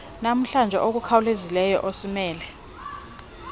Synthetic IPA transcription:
nam̩ɬand͡ʒʱɛ̰ʔok̬ukʰawlezilɛjɔ̰ʔosimɛːlɛ

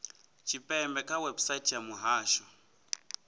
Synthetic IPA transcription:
t͡ʃʰipʼɛmbɛkʼawɛbsaitʰjamuɦaːʃɔ

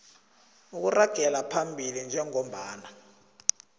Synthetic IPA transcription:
uk̬uraɡ̥ʱɛlapʰambʱilind͡ʒʱɛŋɔm̩ɓaːna

